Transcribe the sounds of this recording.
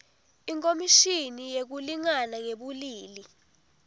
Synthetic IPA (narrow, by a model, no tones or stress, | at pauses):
iŋkʼomiʃinijek̬uliŋanaŋeɓuliːli